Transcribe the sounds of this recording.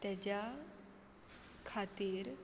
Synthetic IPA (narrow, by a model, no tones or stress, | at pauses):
t̪at͡ɕa | kʰat̪iɾ